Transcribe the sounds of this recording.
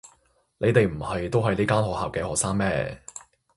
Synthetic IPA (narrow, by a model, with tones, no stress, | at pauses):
ne˨˧jt̪e˨jm̩˨˩hɐ˨jt̪o˥wɦɐ˨jliː˥kaː˥nɦɔː˨k̚haː˨wkɛː˧hɔː˨k̚saː˥ŋmɛː˥˩